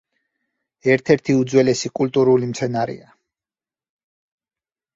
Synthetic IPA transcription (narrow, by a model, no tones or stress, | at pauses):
ɛɾt̪ʰɛɾt̪ʰiud̪zwɛlɛsikʼult̪ʼuɾulimt̪sʰɛnaɾḭa